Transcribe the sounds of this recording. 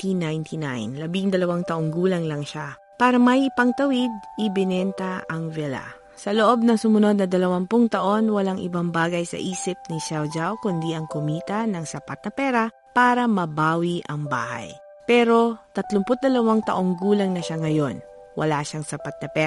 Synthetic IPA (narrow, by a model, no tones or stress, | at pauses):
t̪inajnt̪ʰina̰jnlɐbiŋd̪ɐlɐwaŋt̪ɐʔoŋɡuːlɐŋlɐŋʃa | paːɾɐmɐjʔɪpɐŋt̪ɐwid̪̚ʔɪbɪnɛnt̪ɐɐŋvɛla̰ | sɐloʔo̞b̚nɐŋsʊmʊno̞d̪̚nɐd̪ɐlɐwanpʊŋt̪ɐʔo̞nwɐlaŋʔɪ̰baŋbaːɡɐjsɐ̰ʔiːsɪp̚niʃɛwd͡ʒawkʊnd̪iʔɐŋkʊmiːt̪ɐnɐŋsɐpat̪̚nɐpɛːɾɐ | paːɾɐmɐbaːwiʔɐŋba̰ːha̰j | pɛːɾo̞t̪ɐt̪lʊmpʊt̪̚d̪ɐlɐwaŋt̪ɐ̰ʔo̞ŋɡuːlɐŋnɐʃaŋɐjo̞n | wʔɐ̰laʃaŋsɐpat̪̚nɐpɛ